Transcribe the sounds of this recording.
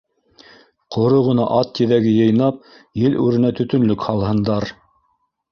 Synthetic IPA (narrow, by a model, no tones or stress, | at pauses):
qʰŏɾoʁɤ̆nɑʔɑt̪ːiðæɡɘjɤ̆jnɑp̚ | jɘlʔʉɾɘ̆næt̪ɵ̆t̪ɵ̆nlɵkhɑlˠhɤ̆nd̪ɑɾ